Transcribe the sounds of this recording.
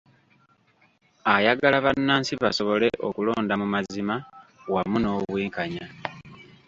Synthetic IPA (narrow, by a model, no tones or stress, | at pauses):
ajaɡalaβanːaːnsiβaso̞βo̞le̞ʔokulo̞ːndamumazimawamuno̞ːβwiːŋkaɲa